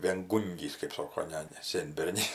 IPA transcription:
ʋʲeːŋˈɡuːŋʲɡʲiːs kɜp ˈsoːkoː ˈnʲɛ nʲɛ ˈsʲeːnʲbʲɛrʲnʲɪs

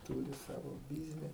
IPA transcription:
ˈtuːrʲɪ ˈsɑːʋoː ˈbʲɪzʲnʲɪ

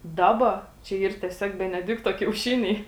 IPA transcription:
ˈdɑːbɐ t͡ʃʲɛ ˈiːr tʲiɛˈsʲoːk bʲɛnʲɛˈdʲɪktoː kʲɛʊˈʃʲɪnʲɛɪ

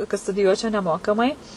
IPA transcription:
kɐt stʊdʲɪˈjuɔt͡ʃʲɛʊ nʲɛˈmoːkɐmɐɪ

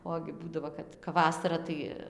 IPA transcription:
ˈoːɡʲɪ ˈbuːdɐʋoː ˈkɐt kɐp ˈʋɑːsɐrɐ tɐɪ

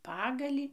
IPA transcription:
ˈpɑːɡɐlʲiː

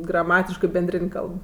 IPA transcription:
ɡrɐˈmɑːtʲɪʃkɜ bʲɛnʲˈdʲrʲɪnʲ ˈkɐlˠp

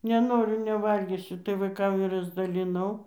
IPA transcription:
nʲɛˈnoːrʲʊ nʲɛˈʋɐlʲɡʲiːsʲʊ tɐɪ ʋɐɪˈkɐm ɪr rɐzdɐlʲɪˈnɐʊ

